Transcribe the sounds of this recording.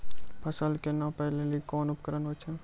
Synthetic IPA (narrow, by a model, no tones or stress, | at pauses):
pʰɐsəlkenapɛɦlelikɔːnʊpkəɾənɦoːt͡ʃʰe